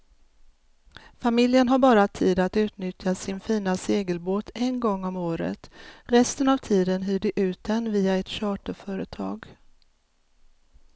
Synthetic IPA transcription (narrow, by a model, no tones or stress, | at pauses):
famɪljənɦaɾbɑːɾat̪ʰiːd̪at̪ʉ̟ːt̪nʏt̪ʰjasɪnfiːnaseːɡəlboːt̪ʰɛnɡɔŋːɔmoːɾə̰t̪ɾɛst̪ənavt̪ʰiːd̪ənɦyːɖɛʔʉ̟ːt̪̚d̪ɛnviːaɛt̪ɕɑːʈəfœːɾət̪ʰɑ̰ːɡ